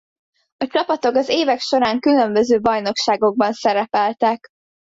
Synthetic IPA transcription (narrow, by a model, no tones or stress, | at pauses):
ɒt͡ʃɒpɒt̪o̞kɒzeːvɛkʃo̞ɾaːŋkylømbø̞zøːbɒjno̞kʃaːɡo̞ɡ̚bɒnsɛɾɛpɛlt̪ɛk